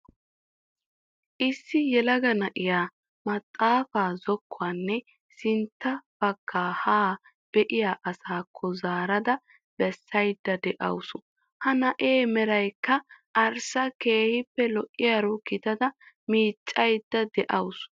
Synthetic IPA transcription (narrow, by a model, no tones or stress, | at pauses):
ʔɪsːɪjɛlɐɡɐnɐʔɪjaː | mɐt̪ʼːaːfaːzɔkʰːʊaːnːɛ | sɪnt̪ːɐb̥ɐkːaːhaː | b̥ɛʔɪjaːʔɐsaːkʰːɔzaːɾɐd̪ɐ | b̥ɛsːɐjd̪ːɐd̪ɛʔɐ̰wsʊ | hɐnɐʔeːmɛɾɐjkːɐʔɐɾsɐke̞ːhɪpːɛlɔʔʼːɪjaːɾukːɪt̪ɐd̪ɐ | miːt͡ʃʼːɐjd̪̥ːɐd̪ɛʔɐws